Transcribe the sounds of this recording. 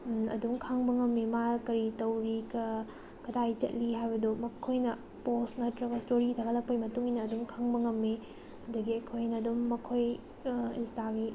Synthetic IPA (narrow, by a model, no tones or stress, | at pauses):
ɐ̰dumkʰaŋbɐŋɐmːimakɐɾitɐwɾikɐ | kɐdajt͡ʃɐ̰t̚liɦajbɐdomɐkʰojnɐ | posnɐtɾɐɡɐstoɾiɡitʰaɡɐlɐk̚pɐjmɐtuŋinɐːdumkʰaŋbɐŋɐmːi | ɐdɐɡiɐjkʰojnɐːdumːɐkʰoj | instaɡi